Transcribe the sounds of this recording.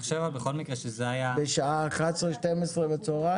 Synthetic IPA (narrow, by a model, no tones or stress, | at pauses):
χʃevabeχo̞lmikʁeʃezeajabeʃaaχasʁeʃt̪emesʁebet͡soʁa